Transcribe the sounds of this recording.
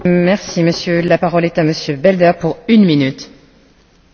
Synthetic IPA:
mɛʁsiməsjølapaʁɔlɛt̪aməsjøbɛld̪œʁpuʁynminyt̪

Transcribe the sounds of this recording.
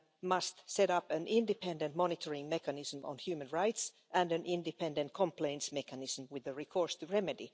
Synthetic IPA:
mʌst̪sɛɾʌpɨ̃nʔɪ̃ndɨpʰɛ̃ndə̃ntmɔnɪtʰəɹɪ̃ŋmɛkænɪz̥m̩ə̰̃nhjʉːmə̃nɹaɪts | ʔæ̃ndɨ̃nʔɪ̃ndɨpʰɛ̃ndə̃ntkʰə̃mpʰlẽɪ̃ntsmɛkænɪz̥m̩wɪðəɹikʰɔɹstʰɨɹɛmɨdḭ

